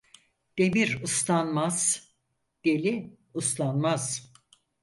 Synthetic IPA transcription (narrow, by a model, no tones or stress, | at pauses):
d̪̥e̞miɾuslˠanmaz̥ | d̪̥e̞lʲi | uslˠanmaz̥